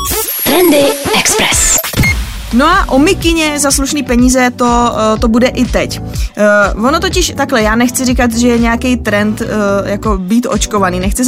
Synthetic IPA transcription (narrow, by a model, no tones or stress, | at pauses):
t̪ɾɛndɪɛkspɾɛs | noaʔo̞mɪkɪɲɛzasluʃniːpɛɲiːzɛt̪o̞t̪o̞budɛʔɪt̪ɛc | vono̞t̪o̞cɪʃt̪aklɛjaːnɛxt͡sɪrɪkat̪ʒɛjɛɲɛjakɛjt̪ɾɛnt̪jako̞biːt̪ʔo̞̰t͡ʃko̞vaniːnɛxt͡sɪ